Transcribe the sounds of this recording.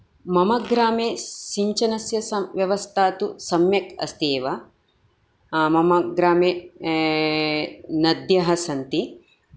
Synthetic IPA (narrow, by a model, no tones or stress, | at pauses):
mɐmɐɡɾaːmeːsiɲt͡ʃɐnɐsjɐsɐʋjɐʋɐst̪ʰaːt̪usɐmjɐkɐ̰st̪eːʋɐ | mɐmɐɡɾaːmeː | nɐd̪jɐɦɐsɐnt̪i